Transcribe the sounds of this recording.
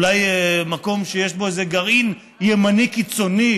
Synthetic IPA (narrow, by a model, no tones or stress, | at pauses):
lajmako̞mʃejeʃbo̞ezeɡaʁin | jemanikit͡so̞ni